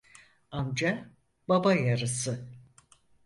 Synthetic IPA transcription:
amd͡ʒa | babajaɾɯsɯ

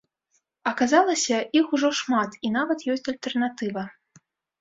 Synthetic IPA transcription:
ɐkazalˠɐsʲɐixuʐɔʂmat̪inavɐt̪jɔsʲt͡sʲɐlʲt̪ɛrnat̪ɨvɐ

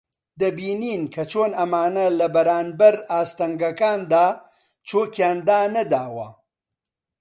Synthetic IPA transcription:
d̪ɐbiːniːnkʰɐt͡ʃʰoːnɐmaːnɐlɐbɐɾaːnbɐɾaːst̪ɐŋɡɐkaːnd̪aː | t͡ʃoːkjaːnd̪aːnɐd̪aːwɐ̰

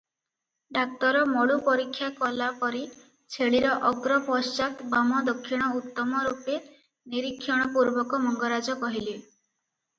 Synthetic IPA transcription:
ɖak̚t̪ɔɾɔmɔɭupɔɾikʰːjakɔlapɔɾi | t͡ʃʰeɭiɾɔʔɔɡɾɔpɔst͡ʃak̪bamɔd̪ɔkʰːiɽ̃ɔut̪ːɔmɔɾupe | niɾikʰːjɔɽ̃ɔpuɾbɔkɔmɔŋɡɔɾad͡ʒɔkɔɦili

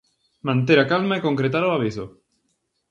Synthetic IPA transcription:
mãnt̪̬eɾakalmaekõŋkɾet̪aɾoaβ̞iso

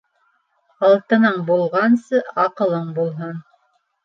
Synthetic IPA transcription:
ɑlˠt̪ɤ̆nɤɴbulˠʁɑnsɤʔɑqɤ̆lˠɤɴbulˠɦon

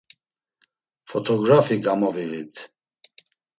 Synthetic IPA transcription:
fɔt̪ʰɔɡɾafiɡamɔvivit̪ʰ

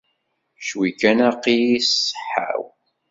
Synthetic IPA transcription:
ʃwikænaqːijisə̥ħa̰w

